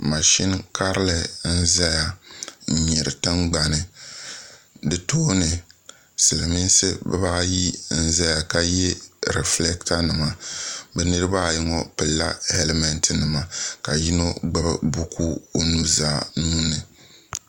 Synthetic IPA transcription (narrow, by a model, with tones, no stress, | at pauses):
ma˨ʃi˦nka˦ɾlɨ˨n̩˦za˦ja˨ | ɲɛ˨ɾɨ˨tɨ˦nɡ͡ba˨nɨ˨ | dɨ˦toː˦nɨ˨ | sɨ˨lɨ˨mi˦n˦sɨ˦bɛ̰˦ba˦ji˦n̩˦za˦ja˨ka˦jɛ˦ɾɛ˨flɛ˦kta˦nɨ˨ma˨bɛ˨nɨ˦ɾɨ˦ba˦˨ji˦ŋɔ˦pɨ˨lːa̰˦hɛ˦lɛ˦mɛ˨ntɨ˨nɨ˨ma˨ka˨ji˦no˦ɡ͡bɨ˦bɨ̰˦bu˦kʰu˦o˨nu˦zaː˦nu˦nːɨ˨